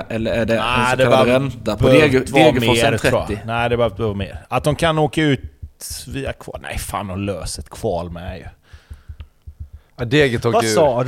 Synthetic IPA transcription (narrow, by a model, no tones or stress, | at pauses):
ʔɛlːəɾæɖɛæd̪ɛaəɾɛnt̪ad̪eːeːɡəmɔːt̪ʰɾʰɛɾuːaɪnæɪd̪ɛbəhøːvt̪ːvɑːmeːɾat̪̚d̪ɔmkʰanoːkaʉ̟ːt̪viːakʰvɑ̰ːnæ̰ɪfa̰ːnɔløːsət̪kʰv̥ɑːlmɛjɵ̰ | ad̪eːɡət̪ʰɔːɡvaʉsɑːd